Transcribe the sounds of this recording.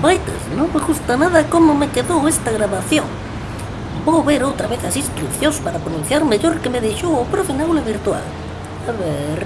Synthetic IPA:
bajt̪ḛsnõŋmeɣust̪anaðɐkomʊmekeðowest̪aɣɾaβaθjõŋ | bowβeɾowt̪ɾaβeθɐsĩskɾiθjõŋspaɾapɾonũn̟θjaɾmeʎoɾkemeðeʃowopɾofinawlaβiɾt̪wa̰l | aβeɾ

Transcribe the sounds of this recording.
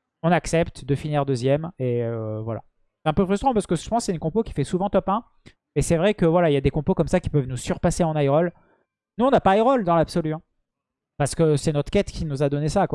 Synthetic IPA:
ɔ̃naksɛpt̪d̪əfiniʁd̪øzjɛmeøvwala̰ | sɛ̥ɛ̃pøfχyst̪χɑ̃paʁsə̥kə̥ə̥pɑ̃ssɛɛ̃kɔ̃pokʲi̥fɛsuvɑ̃t̪ɔpɛ̃ | ɛsɛvʁɛkəvwalailjad̪ekɔ̃pokɔmsakʲi̥pœvnusyʁpaseɑ̃najʁɔl | nuɔ̃napajʁɔld̪ɑ̃labsɔlyɛ̃ | paʁsə̥kəsɛnɔt̪χkʲɛt̪kʲinuzad̪ɔnesakwa

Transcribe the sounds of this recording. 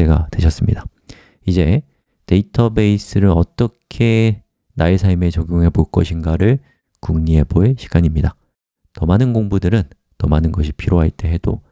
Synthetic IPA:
eɡa̰dweɕʰʌs͈ɯmɲḭda | id͡ʑe̞ | te̞itʰʌbe̞is͈ɯɾɯnʌt͈ʌkʰe̞ | naesʰaɭme̞t͡ɕʌɡjoŋɦe̞boɭk͈ʌɕʰinɡaɾɯɭ | kuŋɲie̞boeɕʰi̥ɡ̥aɲimɲida | nʌmanɯnɡoŋbudɯɾɯnː | ʌmanɯnɡʌɕ̬ʰipʰiɾjoɦaɭt͈e̞ɦe̞d̥o̰

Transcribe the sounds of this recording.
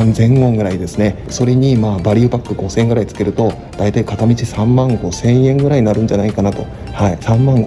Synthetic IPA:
nzẽ̞ŋɡõ̞ŋɡɯ̟ɾaid̪e̞sɨne̞ | so̞ɾe̞ɲ̟imaːbaɾʲiɯ̟bakːɯ̟ɡo̞sẽŋɡɯ̟ɾait͡sɨ̥ke̞ɾɯ̟t̪o̞ | d̪̥ait̪aikat̪amʲit͡ɕisãmmãŋɡo̞sẽ̞ɰ̃jẽ̞ŋɡɯ̟ɾaiɲnaɾɯ̟̃ɲ̟d͡ʑanaikanat̪o̞ | haisãmmãŋɡ

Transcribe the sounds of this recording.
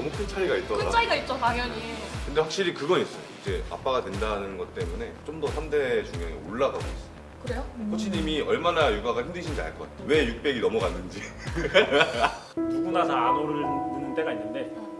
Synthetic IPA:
nʌmukʰɯnt͡ɕʰaɾiɡait͈̚ʌɾkɯat͡ɕʰaɾiɡait̚t͡ɕ͈omaɡjʌɲikɯnde̞ɸwak̚ɕ͈iɾikɯɡʌnis͈ʌjo̰id͡ʑe̞a̰p͈aɡadwe̞ndanɯnɡʌt͈e̞mune̞t͡ɕ͈omdʌsʰamde̞t͡ɕuŋjʌŋḛoɭːaɡaɡois͈ʌokɯɾe̞jokʰot͡ɕʰiɲimiʌɭmanajuɡaɡahʰimdɯɕʰind͡ʑa̰ɭk͈ʌa̰ɲowe̞juk̚p͈eɡinʌmuɡanːɯnd͡ʑi | tuɡunasʰaanoɾɯɯnɯnt͈e̞ɡainːɯnde̞

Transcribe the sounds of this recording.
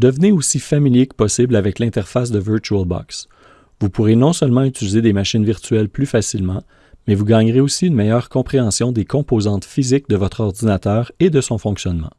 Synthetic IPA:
d̪əvneosifamiljekə̥pɔsɪblavɛklɛ̃t̪ɛʁfas̬d̪əvəʁt͡ʃyɛlba̰ks | vupuʁenɔ̃sœlmɑ̃yt̪ilized̪emaʃɪnviʁt̪ɥɛlplyfasilmɑ̃ | mɛvuɡɑːɲʁeosiynmɛjœːʁkɔ̃pχeɑ̃sjɔ̃d̪ekɔ̃pozɑ̃t̪fizɪk̚d̪əvɔt̪χɔʁd̪inat̪œːʁed̪əsɔ̃fɔ̃ksjɔnmɑ̰̃

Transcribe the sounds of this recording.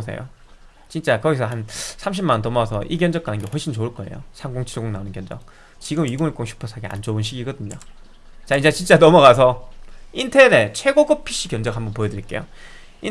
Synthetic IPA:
sʰḛjo̰ | t͡ɕint͡ɕ͈akʌɡisʰʌɦansʰamɕ̬ʰimanntʌmʌasʰʌʔiɡjʌnd͡ʑʌk͈̚anɯnɡe̞hɸoɭɕ͈ʰint͡ɕouɭk͈ʌe̞̰jo̰sʰaŋɡoŋt͡ɕʰiɭɡoŋnaonɯnkjʌnd͡ʑʌk̚ | t͡ɕiɡɯmiɡoŋiɭk͈oŋɕʰu̥pʰosʰaɡea̰nd͡ʑounɕ̬ʰiɡiɡʌdɯɲo̰ | t͡ɕaind͡ʑet͡ɕint͡ɕ͈anʌmʌɡas̬ʰʌintʰene̞t͡ɕʰwe̞ɡoɡɯpʰiɕ͈ikjʌnd͡ʑʌkhambʌnpojʌdɯɾiɭk͈e̞jo̰ | i

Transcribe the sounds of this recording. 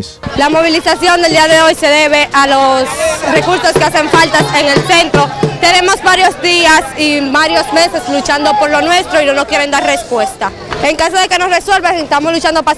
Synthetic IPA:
lamo̞β̞ilisasjo̞nd̪eld̪iaðe̞o̞jse̞ðe̞βe̞ʔalo̞sre̞kuɾso̞skease̞ɱfalt̪aseŋe̞lse̞nt̪ɾo̞t̪e̞ne̞mo̞zβaɾjozd̪iasiβaɾjo̞sme̞se̞slut͡ʃand̪o̞po̞ɾlo̞nwe̞st̪ɾo̞inonokje̞ɾe̞nd̪aɾre̞spwe̞st̪a | eŋkaso̞ðe̞ke̞no̞sre̞swe̞lβasest̪amo̞slut͡ʃand̪o̞pa

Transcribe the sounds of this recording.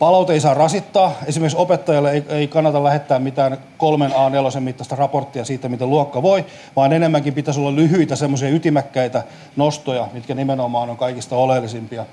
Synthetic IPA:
pɑlɑut̪eisɑːrɑsit̪ːɑːesimerksopet̪ːɑjɑlːeeieikɑnːɑt̪ɑlæhet̪ːæːmmit̪æːn | kolmenɑːnelosemmit̪ːɑst̪ɑrɑport̪ːiɑsiːt̪ːæmit̪elluɑkːɑʋoi | ʋɑːnenemːæŋkimpit̪æsolːɑllyhyit̪æsemːosiɑyt̪imækːæit̪æ | nost̪ojɑmit̪kænimenomɑːnoŋkɑikist̪ɑolelːisimpiɑ

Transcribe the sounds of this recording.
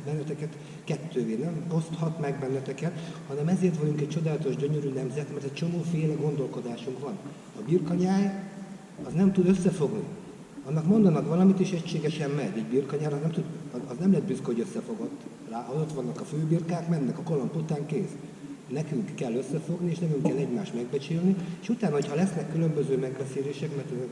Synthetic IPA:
bɛnːɛt̪ɛkɛt̪ | kɛt̪ːøːveːnɛmo̞st̪hɒt̪mɛɡ̚bɛnːɛt̪ɛkɛt̪hɒnɛmɛzeːrt̪ʋɒɟuŋkɛc̚t͡ʃo̞d̪aːlɒt̪o̞ʒɟøɲøɾyːnɛmzɛt̪mɛrt̪ɛct͡ʃo̞moːfeːlɛɡo̞nd̪o̞lko̞d̪aːʃuŋkʋɒn | ɒbirkɒɲaːj | ɒznɛmt̪ud̪øsːɛfo̞ɡni | ɒnːɒkmo̞nd̪ɒnɒkʋɒlɒmit̪iʃɛcʃeːɡɛʃɛmmɛɟiːɟbirkɒɲaːɾɒznɛmt̪ud̪ɒznɛmlɛd̪̚byskohoɟøsːɛfo̞ɡo̞t̪ː | raːʔɒot̪ʋɒnːɒkɒføːbirkaːkmɛnːɛkɒkolomput̪aːŋkeːs | nɛkyŋkːɛlːøsːɛfo̞ɡnieːʃnɛkyŋkːɛlːɛɟmaːʃt̪mɛɡbɛt͡ʃeːlnieːʃut̪aːnɒɦo̞chɒlɛsnɛkːylømbøzøːmɛɡbɛseːleːʃɛkmɛrt̪ø

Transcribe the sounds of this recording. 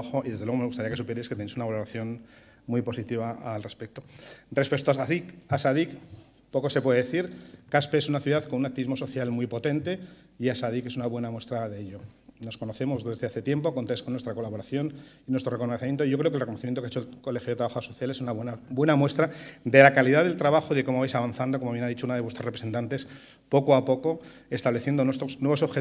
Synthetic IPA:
axoʔiðezðlweome̞ɣust̪aɾiakesupjeɾesket̪enejsunaβalo̞ɾaθjo̞n | muijpo̞sit̪iβaalre̞spe̞k̚t̪o̞re̞spe̞k̚t̪oaaðikasaðik | po̞ko̞se̞pwe̞ðeeθiɾkaspe̞esunaθjuðaðko̞nunak̚t̪iβizmo̞so̞θjalmwujpot̪e̞nt̪e̞ | iasað̞ike̞sunaβwe̞namwe̞st̪ɾaðe̞eʎo̞no̞sko̞noθe̞mozðe̞zðe̞aθe̞t̪je̞mpo̞ko̞nt̪esko̞nwe̞st̪ɾako̞laβo̞ɾaθjo̞n | inwest̪ɾore̞konoθemjent̪oiʝo̞kɾekelrekonoθimjent̪okaet͡ʃoelko̞le̞xjoðt̪ɾaβaxosoθjale̞sunaβenabwe̞namwe̞st̪ɾad̪e̞lakaliðaðelt̪ɾaβaxoiðekomoβajsaβanθand̪oko̞moβjenaðit͡ʃounaðewe̞st̪ɾorepɾese̞nt̪ant̪e̞s | po̞koapo̞ko̞ | e̞st̪aβleθje̞nd̪onwest̪osnwe̞βso̞βxe

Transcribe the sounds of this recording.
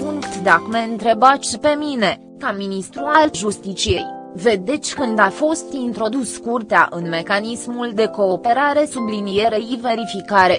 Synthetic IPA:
puŋkt̪d̪akmeɨnt̪ɾe̞basʲpe̞mine̞ | kaminist̪ɾualʒust̪it͡ʃije̞jve̞d̪e̞t̪sʲkɨnd̪afo̞st̪int̪ɾo̞d̪uskurt̪ea̰ʔɨnme̞kanismuld̪e̞ko̞ːpe̞ɾaɾe̞sublinije̞ɾe̞ive̞ɾifikaɾe̞

